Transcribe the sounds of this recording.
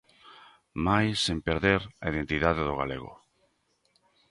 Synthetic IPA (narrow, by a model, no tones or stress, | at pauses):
majsempeɾðeɾaið̞ent̪iðaðeðoɣaleɣʊ̰